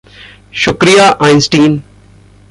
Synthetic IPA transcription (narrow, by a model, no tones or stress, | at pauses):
ʃʊkɾijaːʔãɪ̃nsʈiːn